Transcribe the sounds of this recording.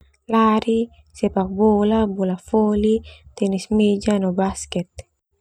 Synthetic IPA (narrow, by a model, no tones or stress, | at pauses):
laɾi | sɛpak̚bolabolafolit̪ɛnismed͡ʒanobaskɛt̪̚